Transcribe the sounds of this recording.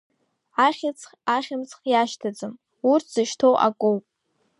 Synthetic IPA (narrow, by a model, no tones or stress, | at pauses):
aχʲɪt͡sʰʼaχʲɪmt͡sʰʼχjaʃtʰad͡zɨm | urtʰz̥ɨʃtʰowʔa̰kʷʼowpʼ